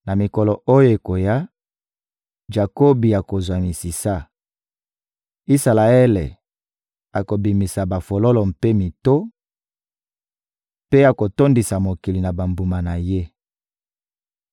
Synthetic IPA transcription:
na˨mi˨kɔ˨lɔ˨o˦jo˦e˨ko˨ja˦ | ʒa˨ko˦bi˨a˨ko˨zwa˨mi˨si˨sa˦ | i˦sa˨la˨e˦lḛ˨ | a˨ko˨bi˨mi˨sa˨ba˨fo˨lo˦lɔ˨m̩pe˦mi˨to˦ | pe˦a˨ko˨to˦ndi˨sa˨mo˨ki˨li˨na˨ba˨mbu˨ma˨na˨je˦

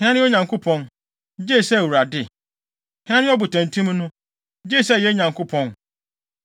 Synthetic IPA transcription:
hɪ̃˦nã˦nɪ̃˦ɔ˦ɲã˨ŋkʰo˦pʰɔ̃˦n˦ | d͡ʑeː˦˨sɛ˦˨wu˨ɾa˨dɪ˦˨ | hɪ̃˨˦nã˦nɪ̃˦ɔ˦bʊ˨tʰæ̃˨ntʰũ˦mnʊ̃˦ | d͡ʑeː˦˨sɛ˦˨jɛ˦ɲã˨ŋkʰo˦pʰɔ̃˦n

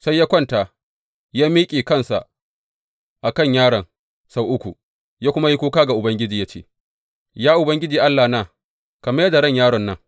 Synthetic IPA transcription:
sa˦jːaː˦kʷɔ˦˨ntaː˨ | jaː˦miː˦kʲʼiː˨kɐ˦nsa˨ʔ | ʔa˨kɐ˦˨ɲjaː˦ɽɐ˨ŋ | sa˦˨wʔʊ˦kʷu˨ | jaː˦kʷʊ˦ma˦ji˦kʷuː˦kaː˦ɡa˨ʔʊ˨bɐ˦ŋɡʲɪ˦d͡ʒiː˨ja˦t͡ʃḛː˦˨ | jaː˦ʔʊ˨bɐ˦ŋɡʲɪ˦d͡ʒiː˨ʔa˦lːaː˨naː˦˨ | kɐ˨mɐ˦jɐ˦da˨ɽɐ˦˨ɲjaː˦ɽɔ˨nːɐ˦ŋ

